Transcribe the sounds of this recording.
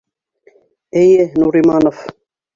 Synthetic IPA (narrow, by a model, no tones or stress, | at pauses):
ɘjɘnuɾimɑnof